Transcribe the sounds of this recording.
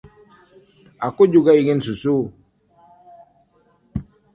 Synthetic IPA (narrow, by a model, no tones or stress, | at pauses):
akud͡ʒuɡaiɡensusu